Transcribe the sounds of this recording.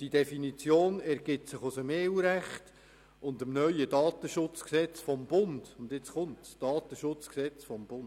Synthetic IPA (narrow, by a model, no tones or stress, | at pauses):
d̥idefinit͡sjoːnɛɾɡ̥ɪtsɪχʊsəmeːwɾæχt | ʊndəmnœʏjədɑːtəʃʊt͡sksɛt͡sfɔmbʊnd̥ʊndɪt͡sχʊntsd̥ɑːt̪əʃʊt͡sksɛt͡sfɔmb̥ʊn